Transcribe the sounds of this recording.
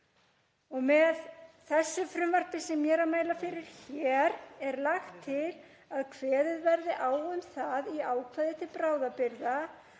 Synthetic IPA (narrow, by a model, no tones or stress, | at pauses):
ɔɣmɛðθɛsːʏfɾʏmvar̥pɪsɛmːjɛːɾamaːjlafɪɾɪɾ̥çɛɾɛɾlaxt̪ʰːɪl | aðkʰvɛːðɪðvɛɾðɪʔaːwðɔʏmθaðiaːwkʰvajðɪt̪ʰɪlpɾaːwðapɪɾða